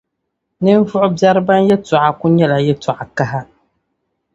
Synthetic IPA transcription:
nɨ˦ɱ˦vʊ˦ʔʊ˦bja˦ɾɨ˦ba˦njɛ˦tʊ˨ʔa˨ku˦ɲɛ˦la˨jɛ˦tɔ˨ʔa˨ka˦ɦa˦

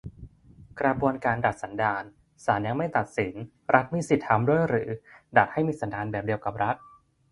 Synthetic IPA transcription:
kɾa˧bu˧ənkaː˧nda˨˩t̪̚sa˩˦ndaː˧n | saː˩˦nja˧ŋma˥˩jt̪a˨˩t̪̚si˩˦n | ɾʔa˦˥t̪̚miː˧˩si˨˩t̪̚ʰhʰa˧mdu˥˩əjɾɯː˩˦da˨˩t̪̚ha˥˩jmiː˧sa˩˦ndaː˧nbɛː˨˩p̚di˧əwka˨˩p̚ɾa˦˥t̪̚

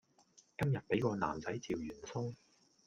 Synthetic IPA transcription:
kɐ˥mjɐ˨t̚pe˨˥jkɔː˧na̰ː˨˩mt͡sɐ˨˥jt͡siː˨wjyː˨˩nsʊ˥ŋ

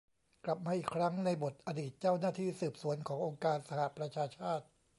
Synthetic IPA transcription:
kla˨˩p̚maː˧ʔiː˨˩kʰɾa˦˥ŋna˧jbo˨˩t̪̚ʔa˧diː˨˩t̪̚t͡ɕaː˥˩wnaː˥˩t̪ʰiː˥˩sɯː˨˩p̚su˨˩˦ənkʰɔː˩˦ŋʔo˧ŋkaː˧nsa˧ha˨˩ʔpɾa˧t͡ɕʰaː˧t͡ɕʰaː˥˩t̪̚

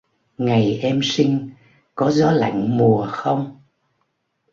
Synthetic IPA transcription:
ŋa˨˩jʔɛ˧msi˧ŋ̟ | kɔ˨˦zɔ˨˦la̰˧˨ŋ̟mu˨˩əxə˧wŋ͡m

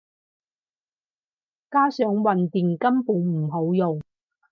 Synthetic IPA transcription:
kaː˥sœː˨˥ŋwɐ˨nt̪iː˨˩ŋkɐ˥mpuː˨˧ŋm̩˨˩ɦo˨˥wjo˨w

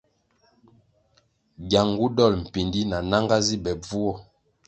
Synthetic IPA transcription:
ɡja˨ŋɡu˦dɔ˦˨lm̩˨pi˨ndi˦na˨na˦ŋɡa˦zi˦bɛ˨b͡vu˦wɔ˦

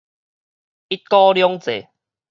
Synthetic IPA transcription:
i˦˥t̪̚kɔ˦ljɔ˦ŋt͡sḛ˨˩

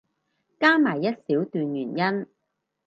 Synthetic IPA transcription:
kaː˥maː˨˩jːɐ˥t̚siː˨˥wt̪yː˨˧njyː˨˩njɐ˥n

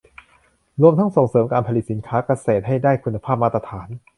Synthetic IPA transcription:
ɾu˧əmt̪ʰa˦˥ŋso˨˩ŋsɤː˩˦mkaː˧npʰa˧li˨˩t̪̚si˩˦nkʰaː˦˥ka˧seː˨˩t̪̚ha˥˩jdaː˥˩jkʰu˧nːa˧pʰaː˥˩p̚maː˥˩t̪ɾa˧t̪ʰaː˩˦n

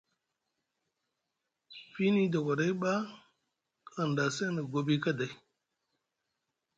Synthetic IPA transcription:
fi˦ni˦da˨kʷa˨ɾa˦ɓa˦ | ka˨nda˨se˦nə˨ɡo˦bi˦ka˦da˨i˨˦

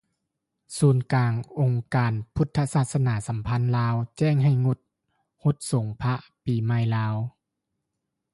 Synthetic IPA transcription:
suː˨˩˦nkaː˨ŋʔo˨˩ŋkaː˨npʰu˧˥t̪ʰːa˧saː˧˩t̪̚sa˧naː˩˦sa˨˦mpʰa˧˥˨nlaː˦˥wt͡ɕɛː˥˩ŋɦa˧˩jŋo˧˩t̪̚ | ho˧˥t̪̚so˨˦ŋpʰa˧˥piː˨˩ma˧˥˨jlaː˦˥w

